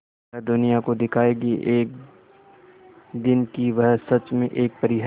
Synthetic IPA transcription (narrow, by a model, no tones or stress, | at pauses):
d̪ʊnijakod̪ɪkʰaːeɡiʔeːk̚ | d̪ɪnkiʋɐɦsɐt͡ʃmẽʔeːk̚pɐɾɪɦ